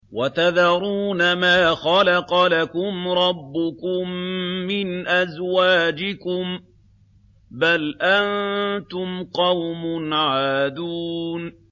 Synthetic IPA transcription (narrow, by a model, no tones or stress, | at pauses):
wat̪aðɑɾˤuːnamaːxɑlaqɑlakʊmɾˤɑbːʊkʊmːɪnʔazwaːd͡ʒɪkʊm | balʔant̪ʊmqɑwmʊnʕaːd̪uːn